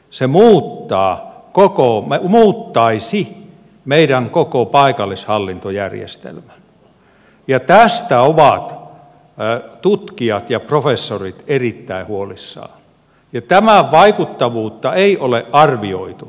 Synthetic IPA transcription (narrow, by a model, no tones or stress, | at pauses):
semuːt̪ːɑːkokomemuːt̪ːɑisi | meiɾæŋkokopɑikɑlːishɑlːint̪ojærjḛst̪ḛlmæn | jɑt̪æst̪æoʋɑt̪ | t̪ut̪kiɑt̪jɑprofesːorit̪erit̪ːæihuolisːɑ̰ː | jɑt̪æmæʋɑikut̪ːɑʋuːt̪ːɑeiʔoleʔʔɑrʋio̰it̪u